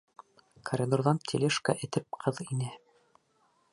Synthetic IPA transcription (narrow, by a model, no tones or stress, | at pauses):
kʰɐɾʲɪd̪urðɑnt̪ʰʲḭlʲeʃkɑʔɘ̆t̪ɘp̚qʰɤðinɘ